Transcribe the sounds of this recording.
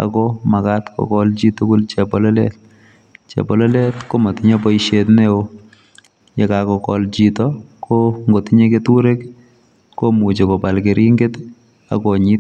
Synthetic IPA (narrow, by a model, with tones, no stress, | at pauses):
a̰˨kɔma˨katkɔ̰kɔlt͡ʃitu˦kʊ˦lt͡ʃepɔlɔlɛ̰t̚ | t͡ʃḛ˨pɔlɔ˦lɛ˦tko˦ma˨ti˦ɲepɔ˦iʃetneo | ɲe˨kakɔ˨kɔ̰lt͡ʃitɔkʰoŋɡo˨ti˦ɲe˦ke˦tu˦ɾe˦k | kːo˦mu˨t͡ʃe˨kɔ˨pa˨lke˨ɾʔi˦ŋɡet | a̰˨kɔ˨ɲi˦t